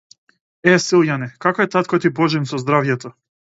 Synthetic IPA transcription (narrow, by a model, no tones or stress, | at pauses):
ɛsilˠjanɛkakoɛt̪at̪kojt̪ipoʒinsozd̪ɾavjɛt̪o